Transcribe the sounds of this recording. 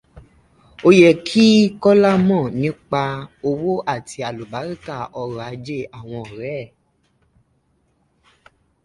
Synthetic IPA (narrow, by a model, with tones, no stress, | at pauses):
o˧jɛ˨kʰi˦kɔ˦la˦mɔ̃˦˨nĩ˨˦k͡pa˧o˧wo˦ʔa˦˨ti˧a˨lu˨ba˨˦ɾi˦˨ka˦˨ʔɔ˧ɾɔ˨a˨˦d͡ʒe˦˨a˨w̃ɔ̃˧ɔ˨ɾɛ˦˨